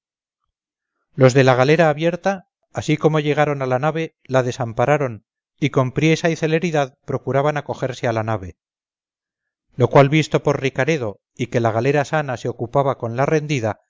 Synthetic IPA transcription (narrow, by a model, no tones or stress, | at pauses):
lo̞zðe̞laɣale̞ɾaːβje̞ɾt̪aː | siko̞mo̞ʝe̞ɣ̞aɾo̞nalanaβe̞ | laðe̞sampaɾaɾo̞n | iko̞mpɾje̞saiθe̞le̞ɾiðaðpɾo̞kuɾaβanako̞xe̞ɾse̞alanaβe̞ | lo̞kwalβist̪o̞po̞ɾrikaɾe̞ðo̞ | ike̞laɣ̞ale̞ɾasanase̞o̞kupaβako̞nlare̞nd̪iða